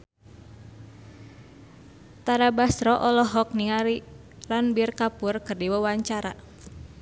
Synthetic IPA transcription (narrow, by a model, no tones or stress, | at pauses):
t̪aɾabast̪ɾɔʔɔlɔɦɔk̚niŋaɾi | lanbirkapurkɨrdiwəwaɲt͡ʃaɾa̰